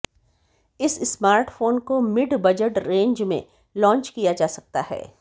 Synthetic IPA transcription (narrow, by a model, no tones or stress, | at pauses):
ɪssmaːɾʈfoːnkomɪɖbɐd͡ʒəʈɾẽːɲd͡ʒmḛ̃ | lɔ̃ːnt͡ʃkijad͡ʒaːsɐk̚t̪a̰ɦɛ̰ː